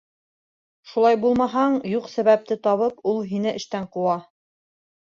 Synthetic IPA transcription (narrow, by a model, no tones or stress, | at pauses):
ʃulˠɑjbulˠmɑɦɑɴjuqsæβæp̚t̪ɘt̪ɑβɤpulˠɦinɘʔɘ̆ʃt̪æɴquwɑ